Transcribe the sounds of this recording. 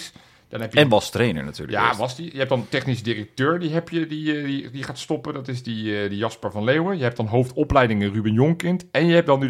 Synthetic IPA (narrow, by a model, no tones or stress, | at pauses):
s | d̥ɔnɦɛpjəɛnʋɑstrejnə̰ɹna̰ty̰ːɹləja̰ʋɑsdijəɦɛp̚dɑntɛχnis̬ədirək̚tøːɹdiɦɛpjədididiχaːtstɔpəndɑtɪsdidijɑspəɹvɑnlewəjəɦɛp̚d̥ɑnɦowftɔplɛjdɪŋənrybinjoŋkɪntɛnjəɦɛp̚dɑny